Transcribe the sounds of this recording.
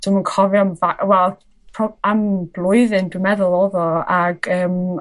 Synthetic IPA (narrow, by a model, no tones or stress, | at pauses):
d̥əmənkʰɔviamvaʔwɛlˠ | pʰɔamblˠʊɨðɪndwɪmɛðʊlˠɔðɔaɡ̥əːm